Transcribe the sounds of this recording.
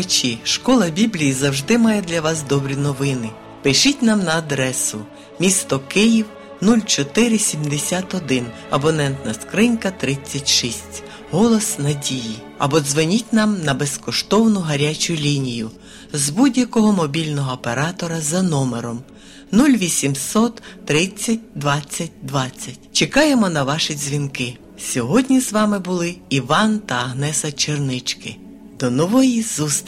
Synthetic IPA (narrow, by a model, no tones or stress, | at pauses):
t͡ʃʲiʃkɔlˠɐbʲiblʲijizɐwʒd̪ɪmɑjɛd̪lʲɐʋɑs̬d̪ɔbɾʲinɔʋɪnɪ | pɪʃitʲnɑmnɐːd̪ɾɛsʊ | mʲist̪ɔkɪjiw | nulʲt͡ʃɔt̪ɪɾɪsʲimd̪esʲat̪ɔd̪ɪn | ɐbɔnɛnt̪nɐskɾɪnkɐt̪ɾɪt͡sʲːɐtʲʃisʲtʲ | ɦɔlˠɔsnɐdʲiji | ɐ̰bɔzʋɪnʲitʲnɑmnɐbeskɔʃt̪ɔwnʊɦɐɾʲat͡ʃʊlʲinʲijʊ | zbudʲjɐkɔɦɔmɔbʲilʲnɔɦɔːpeɾɑt̪ɔɾɐzɐnɔmeɾɔm | nulʲʋʲisʲimsɔt̪ːɾɪt͡sʲːɐt̚ʲd̪ʋɑt͡sʲːɐt̚ʲd̪ʋɑt͡sʲːɐtʲt͡ʃekɑjemɔnɐʋɑʃizʲʋʲinkɪ | sʲɔɦɔdʲnʲizʋɑmɪbʊlˠɪiʋɑnt̪ɐːɦnɛsɐt͡ʃernɪt͡ʃkɪ | d̪̥ɔnɔʋɔjizus